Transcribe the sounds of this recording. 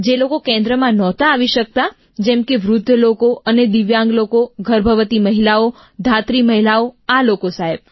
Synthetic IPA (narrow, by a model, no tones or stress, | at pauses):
d͡ʒelokokɛ̃nd̪ɾəmãnɔt̪aːʋiʃək̚t̪a | d͡ʒɛ̃mkeʋɾʊd̪ʱːəlokoəned̪iʋjãŋɡlokoɡʱəɾbʱəʋət̪iməɦilao | d̪ʱat̪ɾiməɦilaoalokosaɦeb̚